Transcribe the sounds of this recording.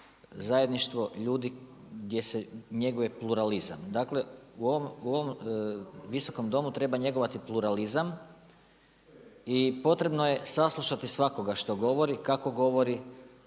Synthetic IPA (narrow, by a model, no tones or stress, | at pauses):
zaje̞d̪niʃt̪ʋo̞ʎuːd̪iɡd̪ʲje̞seɲe̞ɡojepluɾaliza̰md̪aːkle̞uoʋomuo̞ʋom | ʋiso̞ko̞md̪o̞mut̪ɾe̞baɲe̞ɡo̞ʋat̪iplˠuɾalizam | ipo̞t̪ɾe̞bno̞je̞saslˠuʃat̪isʋako̞ɡaʃt̪o̞ɡo̞ʋo̞ɾikako̞ɡo̞ʋo̞ɾi